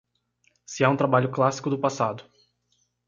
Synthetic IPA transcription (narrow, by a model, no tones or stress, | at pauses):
sɪaũt̪ɾabaʎʊklasi̥kʊd̪ʊpasad̪ʊ